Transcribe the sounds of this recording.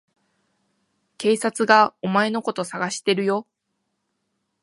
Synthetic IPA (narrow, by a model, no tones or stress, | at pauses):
ke̞ːsat͡sɨɡao̞mae̞no̞ko̞t̪o̞saɡaɕi̥t̪e̞ɾɯ̟jo̞